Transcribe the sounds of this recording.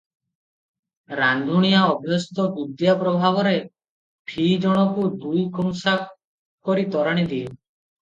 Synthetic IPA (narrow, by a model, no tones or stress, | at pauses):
ɾand̪ʱuɽ̃ijaɔbʱjɔst̪ɔbud̪japɾɔbʱaβɔɾe | pʰid͡ʒɔɽ̃ɔkud̪ujkɔŋsak | kɔɾit̪ɔɾaɽ̃id̪ie